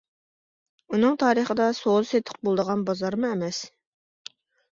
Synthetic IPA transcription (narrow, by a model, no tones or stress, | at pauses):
unɨŋt̪ʰɑːɾəχəd̪ɑsolɨset̪ʰə̥q̚bolˠd̪əʁɑnbɑzɑɾmuɛmɛs